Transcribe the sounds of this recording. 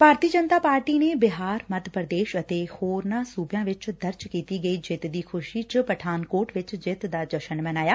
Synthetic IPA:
paːɾt̪iːəd͡ʒənt̪aːpaːɾʈiːneːbɪɦaːɾməd̪pɾəd̪eːʃət̪eːhoːɾnãːsuːbjãːʋɪt͡ʃd̪əɾt͡ʃkiːt̪iːɡəiːd͡ʒɪt̪d̪iːkʰʊʃiːt͡ʃəpəʈʰaːnkoːʈʋɪt͡ʃd͡ʒɪt̪d̪aːd͡ʒəʃənmənaːjaː

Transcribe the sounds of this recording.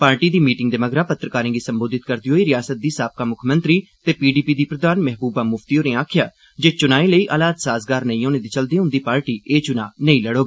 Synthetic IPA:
paːɾʈiːd̪iːmiːʈɪŋɡ̚d̪eːməɡɾãːpət̪ːɾəkaːɾẽːɡiːsəmboːd̪ɪt̪̚kəɾd̪iːɦoːiːɾɪjaːsət̪̚d̪iːsaːp̚kaːmʊkʰmənt̪ɾiːt̪eːpiːɖiːpiːd̪iːpɾəd̪aːnmɛɦbuːbaːmʊft̪iːoːnẽːaːkʰjaː | d͡ʒeːt͡ʃʊnaːiːləiːʔaːlaːd̪saːzɡaːɾnəĩːoːneːd̪iːt͡ʃəld̪ẽːɦʊ̃nd̪iːpaːɾʈiːʔeːt͡ʃʊna̰ːnəĩːləɽoːɡaː

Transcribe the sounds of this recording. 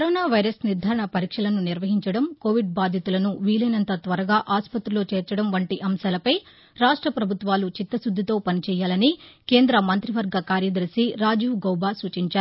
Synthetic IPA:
kɐɾoːnaːʋɐjɾɐsniɾd̪ʱaːɾɐɳɐpɐɾiːkʂɐlɐnuniɾʋɐɦiɲt͡ʃɐɽɐmko̞ːʋiɖ̚baːd̪ʱjɐt̪ulɐnuʋiːlɐːnɐnt̪ɐt̪ʋɐɾɐɡaːʔaːspɐt̪ɾulo̞ːt͡ʃɛːɾt͡ʃɐɽɐmʋɐɳʈiʔɐmʃaːlɐpɐj | ɾaːʂʈɾɐpɾɐbʱut̪ʋaːlut͡ʃit̪ːɐsud̪ʱːit̪o̞ːpɐnit͡ʃɛːjːaːlɐnike̞ːnd̪ɾɐmɐnt̪ɾiʋɐɾɡɐkaːɾjɐd̪ɐɾsiɾaːd͡ʒuʋɡɐwbaːsuːt͡ʃiɲt͡ʃaːɾu

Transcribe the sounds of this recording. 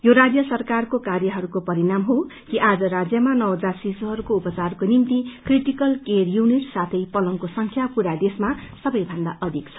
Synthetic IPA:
joɾad͡zjʌsʌrkarkokarjʌɦʌɾukopʌɾinamɦokiʔad͡zʌɾad͡zjʌmanʌwd͡zarsisuɦʌɾukoupʌt͡sarkonimt̪ikriʈikʌlkerjuniʈsat̪ʰʌjpʌlʌŋkosʌŋkʰjapuɾad̪esmasʌbʌjbʱʌnd̪a̰ʔʌd̪ʱikt͡sʰʌ

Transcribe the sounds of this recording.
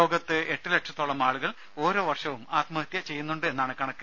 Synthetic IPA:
oːɡɐt̪ːɨe̞ʈːɨleʈʂɐt̪ːoɭːɐmaːɭuɣɐɭ | o̞ːɾo̞ːʋɐrʂɐʋumaːt̪mɐɦɐt̪jɐt͡ɕe̞jːunːuɳɖɨe̞nːaːɳɨkɐɳɐkːu

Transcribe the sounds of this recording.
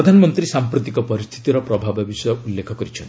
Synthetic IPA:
d̪ʱanɔmɔnt̪ɾisampɾut̪ikɔpɔɾist̪ʰi̥t̪iɾɔpɾɔbʱababisɔjɔulːekʰɔkɔɾit͡ʃʰɔnt̪

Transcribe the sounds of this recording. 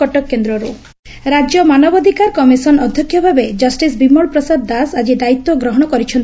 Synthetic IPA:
ɔʈɔkːend̪ɾɔɾu | ɾad͡ʒjɔmanɔbɔd̪ʱikaɾkɔmisɔnɔd̪ʱjɔkʰːjɔbʱabed͡ʒɔsʈisbimɔɭpɾɔsad̪ːasad͡ʒid̪ait̪ːwɔɡɾɔɦɔɽ̃ɔkɔɾit͡ʃʰɔn

